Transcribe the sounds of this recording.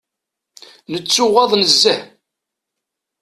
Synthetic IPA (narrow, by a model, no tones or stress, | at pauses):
nət͡sːʊʁɑðˤnəzːəh